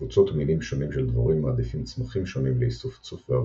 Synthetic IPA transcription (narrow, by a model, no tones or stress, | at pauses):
ut͡sot̪milimʃo̞nimʃeld̪va̰ʁimːaːd̪ifimt͡smaχimʃo̞nimleisuft͡sufvea